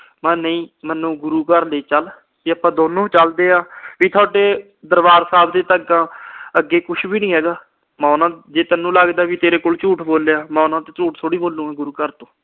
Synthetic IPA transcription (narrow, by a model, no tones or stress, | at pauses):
mɛ̃ːnəĩːmənːũːɡʊɾuːkəɾleːt͡ʃəl | iːəpãːd̪oːnõːt͡ʃəld̪eːaːʋiːt̪ʰʊaːʈeː | d̪əɾbaːɾsaːbd̪eːt̪əɡãːəɡːeːkʊʃʰbiːnĩːɦɛːɡaː | mɛ̃ːʊnãːd͡ʒeːt̪ənːũːlaɡd̪aːʋiːt̪eːɾeːkoːlt͡ʃuːʈʰboːljaːmɛ̃ːʊnãːt̪eːt͡ʃuːʈt̪ʰoːɽiːboːlːũːɛːɡʊɾuːkəɾt̪õː